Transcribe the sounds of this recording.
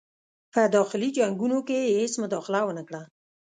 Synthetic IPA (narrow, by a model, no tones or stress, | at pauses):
pəd̪ɔxɪlid͡ʒaŋɡunokehesmʊd̪ɑxɪlawənəkɽa